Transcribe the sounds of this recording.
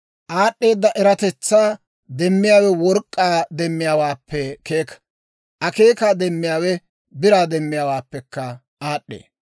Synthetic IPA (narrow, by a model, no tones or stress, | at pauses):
ʔaːɗːe̞ːd̪ːɐʔɛɾɐt̪ɛt͡sːaː | d̪ɛmːɪjaːwɛwɔɾkʼːaːd̪ɛmːɪjaːwaːpʰːɛkeːk | ʔɐke̞ːkaːd̪ɛmːɪjaːwɛ | bɪɾaːd̪ɛmːɪjaːwaːpːɛkːɐ | aːɗːḛː